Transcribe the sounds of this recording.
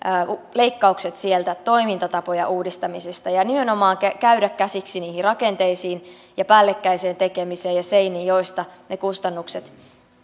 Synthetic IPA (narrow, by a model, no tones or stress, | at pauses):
le̞ikːɑukset̪sielt̪æt̪o̞imint̪ɑt̪ɑpo̞jɑʔuːdist̪ɑmisest̪ɑjɑnime̞no̞mɑːŋkækæyɾækkːæsiksiniːhirrɑkent̪e̞isiːn | jɑpæːlːekːæise̞ːnt̪e̞kemiseːjɑseinijjo̞jst̪ɑnekust̪ɑnːukset̪